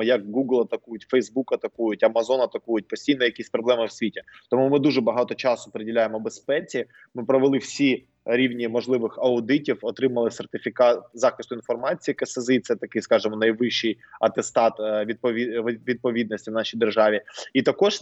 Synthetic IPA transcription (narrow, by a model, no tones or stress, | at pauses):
jɐk̚ɡuɡlˠɐt̪ɐkujʊtʲfɛjzbukɐt̪ɐkujʊtʲɐmɐzɔnɐt̪ɐkujʊt̚ʲpɔsʲtʲijnɔjɐkʲisʲpɾɔblˠɛmɪwsʲʋʲitʲɪt̪ɔmumɪd̪uʒɛbɐɦɑt̪ɔt͡ʃɑsʊ̥pɾedʲɪlʲajemɔbespɛt͡sʲi | mɪpɾɔʋelˠɪwsʲi | ɾʲiwnʲimɔʒlˠɪʋɪxɐʊd̪ɪtʲiwɔt̪ɾɪmɐlˠɪxsert̪ɪfʲɪkɑt̪zɑxɪst̪ʊinfɔrmɑt͡sʲijikɐsezɪjt̪sɛt̪ɐkɪskɑʒɪmɔnɐjʋɪʃːɪj | ɐt̪est̪ɑt̪ʋʲid̪̚pɔiʋʲid̪̚pɔʋʲid̪nɔsʲtʲiwnɑʃijd̪erʒɑʋʲiit̪ɐkɔʒ